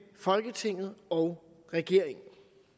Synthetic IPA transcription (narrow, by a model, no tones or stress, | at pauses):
fɒ̽lɡ̥ət͡sʰe̝ŋ̰ð̞̩ˠɒʊ | ʁɛɡ̥e̝ɐ̰eŋn̩